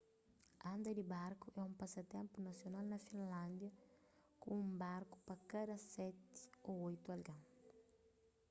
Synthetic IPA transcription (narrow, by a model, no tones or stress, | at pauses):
ɐ̃nd̪ɐd̪ibaɾkuʔɛũmpasɐt̪ẽmpunɐsjonalnɐfĩnlãnd̪jɐ | kũũmbaɾku̥pɐkad̪ɐsɛt̪i̥oojt̪uɐlɡãm